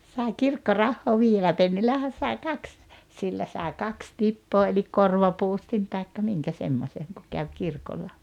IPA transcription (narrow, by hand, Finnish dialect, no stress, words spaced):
sɑˑiŋ kirkːorɑhːoː ʋiːelːæ penːilːæhæn̞ sɑi̞ kɑks silːæ sɑˑi̞ kɑks tipːoː elik korʋɑpuːstin tɑikːɑ miŋkæ semːosʲeŋ ku kæw kirkolːɑ